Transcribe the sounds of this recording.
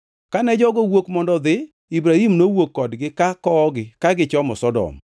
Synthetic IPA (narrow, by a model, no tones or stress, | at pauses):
kanɛd͡ʒɔɡowokmɔndɔd̪ɪ | ibɾahimnowokːɔdɡɪkakɔɡɪkaɡɪt͡ʃɔmɔ̰sɔdɔ̰m